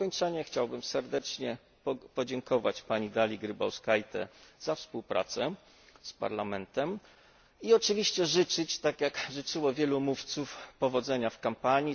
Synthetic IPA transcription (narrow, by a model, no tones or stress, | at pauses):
ɔɲt͡ʂaɲɛxt͡ɕawbɘmsɛɾd̪ɛt͡ʂɲɛ | pɔd͡ʑɛŋkɔva̰t͡ɕpaɲid̪alʲiɡɾɘba̰wskajt̪ɛ̰z̥afspuwpɾa̰t̪sɛ | spa̰ɾlamɛnt̪ɛm | iɔt͡ʂɘvʲiɕt͡ɕɛʐɘt͡ʂɘt͡ɕt̪akʲjakʐɘt͡ʂɘwɔvʲjɛlumuft̪sufpɔvɔd̪zɛɲafkampaɲi